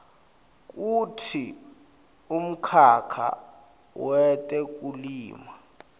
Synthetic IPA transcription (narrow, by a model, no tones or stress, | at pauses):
k̬ʼutʰi | um̩kʰakʰa̰ | wɛtʼɛk̬ʼuliːma